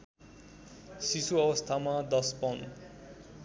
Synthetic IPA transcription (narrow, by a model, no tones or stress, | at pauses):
sisuʌbʌst̪ʰamad̪ʌspʌn